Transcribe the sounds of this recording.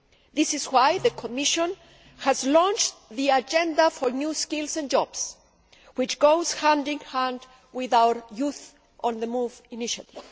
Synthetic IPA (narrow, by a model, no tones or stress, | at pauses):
ðɪsɪzwajðəkʰomiʃɔ̃n | hæzlɔ̃nt͡ʃðiad͡ʒɛ̃nd̪afɔɹnjuskɪlsɛ̃nd͡ʒɔb̥s | wɪt͡ʃɡ̥oʊz̥hãndɪ̃ŋhaæ̃nd̪ | wɪðawə˞juθ | ʔɔ̃nðəmuviniʃa̰t̪iv̥